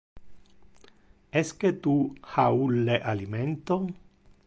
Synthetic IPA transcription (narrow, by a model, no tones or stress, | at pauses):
esket̪uhauleʔaliment̪o